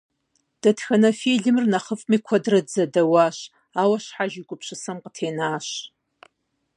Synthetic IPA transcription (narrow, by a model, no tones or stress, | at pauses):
d̥ɐtxɐnɐfiːɮɨmɨrnɐχəfʼmiːkʷʰɐdrɐd͡zɐdɐwaːɕ | aːwɐɕħaʒɪɡʷʼʊpɕɨsɐmqətʰeːnaːɕ